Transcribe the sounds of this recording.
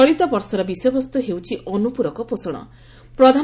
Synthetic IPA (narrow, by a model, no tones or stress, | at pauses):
ɔɭit̪ɔbɔɾsɔɾɔbisɔjɔbɔst̪uɦewt͡ʃʰiʔɔnupuɾɔkɔposɔɽ̃ɔ̰ | pɾɔd̪ʱa